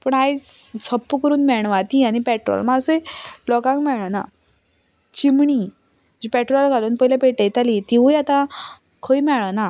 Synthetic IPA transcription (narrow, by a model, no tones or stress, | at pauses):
pəɳɦajt͡sʰəpːəkəɾuːnmɛɳ̃ʋat̪iañipɛʈɾɔ̰lmaəsəjlɔkãŋkmɛɭana̰ | t͡ɕimɳi | d͡ʑipɛʈɾɔlɡʱaluːnpəɦilapeʈejt̪alit̪iʋujat̪ã | kʰəimɛɭəna